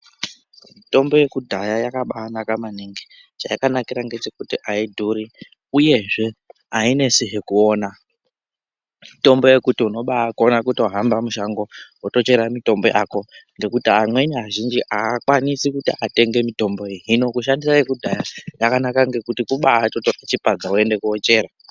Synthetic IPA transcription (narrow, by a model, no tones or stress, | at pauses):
mito̞mbo̞je̞kudʱajajakaɓaːnakamaniŋɡi | t͡ʃajakanakiɾaŋɡe̞t͡ʃekutiʔaidʱuɾi | uje̞ʐe̞ | aine̞siɦekuo̞ːna | mito̞mbo̞je̞kutiuno̞ɓakuonakuto̞ɦambamuʃaŋɡo̞woto̞t͡ʃe̞ɾamito̞mbo̞jaːko̞ŋɡe̞kutiamwe̞niɦaʒind͡ʒiʔaːkwanisikutiate̞ŋɡe̞mito̞mbo̞eɦino̞kuʃ̬andisajekudʱajajakanakaŋɡe̞kutikuɓaːtotorat͡ʃipad͡zaue̞nde̞kuot͡ʃe̞ːɾa